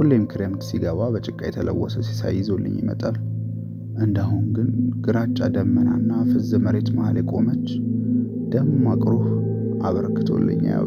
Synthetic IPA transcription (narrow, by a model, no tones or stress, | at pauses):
hulːjɛmikʰɾjamd̪siɡəβabət͡ʃʼɪkʼːajɛt̪ʰələ̰wːɔsəsi̥sa̰jːɪzolːɨ̰ɲːjɪmə̰t̪ʼal | ʔɨnd̪aɦuŋɡɨnɡ̥ɨɾat͡ʃʼːad̪əmːənanːafɨzɨməɾe̞t̪mahaljɛkʼo̞mət͡ʃː | d̪̥əmomakʼɾoh | aβəɾkːɨt̪ʰo̞̰lːɨ̰ɲːa̰